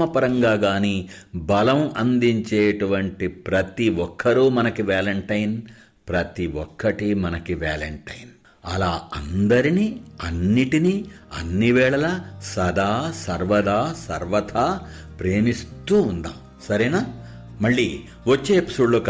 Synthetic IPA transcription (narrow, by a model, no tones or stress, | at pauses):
ɐpɐɾɐŋɡaːɡaːniːbɐlɐmɐnd̪iɲt͡ʃeːʈuʋɐɳʈipɾɐt̪iʋɔkʰːɐɾuːmɐnɐkiʋaːlɐɳʈɐjn | pɾɐt̪iʋɔkːɐʈimɐnɐkiʋaːlɐɳʈɐjn | ɐlaːɐnd̪ɐɾiniɐnːiʈiniːɐ̰nːiʋɛːɭɐlɐsɐd̪ʱaːsɐɾʋɐd̪ʱaːsɐɾʋɐt̪ʰaː | pɾeːmist̪uːnd̪a̰ːm | sɐɾɛnaː | mɐɭːi | ʋot͡ʃːeːpi̥suɭːok